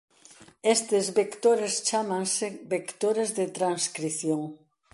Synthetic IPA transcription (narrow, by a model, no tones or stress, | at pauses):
est̪ezβekt̪oɾest͡ʃamãŋsebekt̪oɾezðet̪ɾaŋskɾiθjoŋ